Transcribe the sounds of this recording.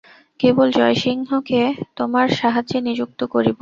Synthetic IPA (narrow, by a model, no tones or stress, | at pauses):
kebold͡ʑɔeʃiŋɦoket̪omaɾʃaɦaʑenid͡ʑuk̚t̪okoɾibo